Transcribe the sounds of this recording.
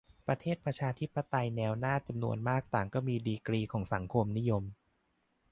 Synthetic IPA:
pɾa˧t̪ʰeː˥˩t̪̚pɾa˧t͡ɕʰaː˧t̪ʰi˦˥pːa˧t̪a˧jnɛː˧wnaː˥˩t͡ɕa˧mnṵ˧ənmaː˥˩k̚t̪aː˨˩ŋkɔː˥˩miː˧diː˧kɾiː˧kʰɔː˩˦ŋsa˩˦ŋkʰo˧mni˦˥jo˧m

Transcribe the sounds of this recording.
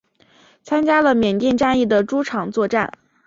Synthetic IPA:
t͡sʰa˥nt͡ɕja˥lə˨mjɛ˨˩nt̪jɛ˥˧nʈ͡ʂa˥˧ni˥˩d̪ə˩ʈ͡ʂu˥ʈ͡ʂʰɑ˨˩ŋt͡swɔ˥˧ʈ͡ʂa˥˩n

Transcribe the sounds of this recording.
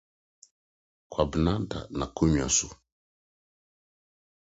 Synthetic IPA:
kwa˨bə˨na˦da̰˨na˨ku˦ɲ˨a̰˨su˨

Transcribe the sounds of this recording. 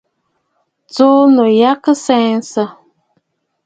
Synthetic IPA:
t͡so˦nɔ˨ja˦kɨ˦sɛ˦n˦sa˦

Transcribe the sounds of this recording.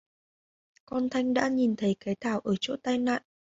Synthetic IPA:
kɔ˧nt̪ʰa˧jŋ̟ɗa̰ː˧˥ɲi˨˩nt̪ʰə˨˦jkaː˨˦jt̪ʰaː˧˩wʔəː˧˩t͡ɕo̰˧˥t̪aː˧jna̰ː˧˨n

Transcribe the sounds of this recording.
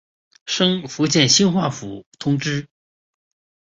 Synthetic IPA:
ʂɤ˥ŋfu˧˥t͡ɕjɛ˥˩nɕi˥nxwa˥˩fṵ˨˩t̪ʰʊ˥ŋʈ͡ʂɻ̩˥

